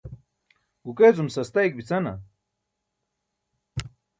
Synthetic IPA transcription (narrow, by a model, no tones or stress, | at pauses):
ɡukezumsɐst̪ajk̚bit͡sɐnɐ̰